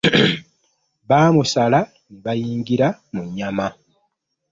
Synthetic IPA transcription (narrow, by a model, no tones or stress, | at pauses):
βaːmusala | niβajiːŋɟiɾamuɲːama